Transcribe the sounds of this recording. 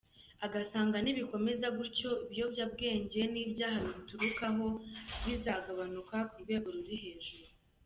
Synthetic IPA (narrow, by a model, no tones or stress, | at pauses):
aɡasaːŋɡaniβiko̞me̞zaɡuɾco̞iβijo̞bjab̚ɡe̞ːɲɟe̞niːbɟaːɦaβiβituɾukaɦo̞ɡizaɡaβanukakuɾɡwe̞ːɡo̞ɾuɾiɦe̞ːʒuɾu